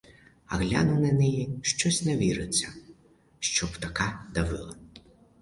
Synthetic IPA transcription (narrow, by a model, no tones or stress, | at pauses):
ɐ̰ɣlʲa̰nʊnɐnɛjiʃt͡ʃɔsʲnɛʋʲiɾɪt͡sʲːɐ | ʃt͡ʃɔbt̪ɐkɑd̪ɐʋɪ̰lˠɐ